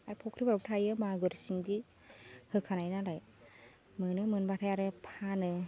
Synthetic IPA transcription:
aɾɯpʰɔkʰɾibaɾɔbtʰajɯmaɡɯɾsiŋbi | hɯkʰanajnalaj | mɯnɯmɯnbatʰajaɾɯpʰanɯ

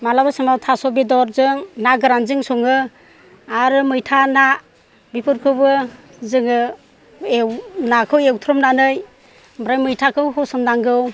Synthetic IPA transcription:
malabɯsɯŋmawtʰasɔbidɔɾzɯŋnaɡɯɾanzɯŋsɔŋɯ | aɾɯmɯjtʰana | bipʰɯɾkʰɯbɯ | zɯŋɯ | ewnakʰɯwewtʰɾɔmnanɯj | bɾajmɯjtʰakʰɯwhɔsɯmdaŋɡɯw

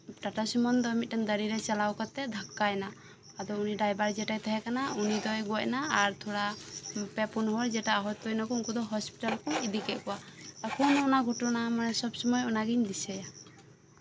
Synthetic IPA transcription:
ʈaʈasimɔnd̪ɔmit̪̚damd̪əɾiɾɛt͡ʃalawkat̪ɛd̪ʱakːajnaː | d̪ɔuniɖajbaɾd͡ʒɛʈajt̪ʰɛɦɛkanaunid̪ɔjɡɔc̚naːɾt̪ʰɔɽapɛpunɦɔɾd͡ʒɛʈaːɦɔt̪ːɔjnakɔuŋkɔd̪ɔɦɔspiʈalkɔid̪ikɛʔkɔaakʰɔnɔnaɡʱɔʈɔnamanɛsɔbsɔmɔjɔnaɡiɲd̪isɛja

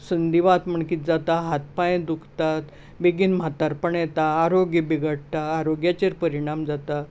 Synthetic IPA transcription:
sənd̪iʋat̪m̤əɳkiːt̪̚d͡zat̪aɦat̪̚paẽd̪ukʰt̪at̪ | beɡiːnm̤at̪aɾpəɳjɛt̪aːɾoɡjibiɡəʈ̚ʈaːɾoɡjat͡ɕeɾpəɾiɽ̃amd͡zat̪a

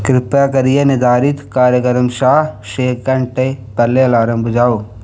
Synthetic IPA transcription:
kɾɪpjakɐɾijenɪd̪aːɾit̪kaːɾjəkəɾəmʃaːɦʃeːkɐɳʈepɐɾleɐlaːɾə̃mbʱʊd͡ʒaːo

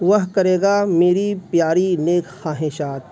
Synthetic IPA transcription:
ʋɐɦkɐɾeːɡameːɾipjaːɾineːkxaːɦeːʃaːt̪̚

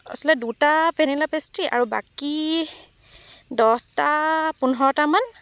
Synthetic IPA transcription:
ɔ̰slɛdutapʰenilapestɹiʔa̰ɹuba̰ki | dɔhtapunɔɔtaman

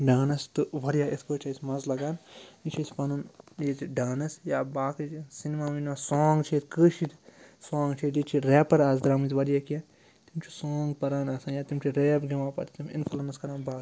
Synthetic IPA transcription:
ɖaːnɐst̪ɨʋɐɾijaːit̪ʰkoːt͡ʃʰɐjsʲmɐzlɐɡaːnit͡ʃʰisʲpɐnunjet̪iɖaːnɐsjaːbaːkit͡ʃisinimaːminʋasoːŋɡt͡ʃʰit̪kɨːʃit̪soːŋɡt͡ʃʰit̪it͡ʃʰiɾeːpɐɾaːzd̪ɾaːmit̪ʋɐɾijaːkijɐn | t̪imt͡ʃʰusoːŋɡpɐɾaːnɐːsaːnjaːt̪imʲt͡ʃʰiɾeːbɡʲɐmaːpɐ̰t̪t̪imḭnfʰɐlɐnɐskɐɾãːnbaːk

